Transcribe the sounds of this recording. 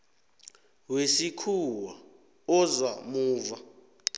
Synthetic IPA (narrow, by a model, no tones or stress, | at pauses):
wesikʰuwa | ɔzwamuːva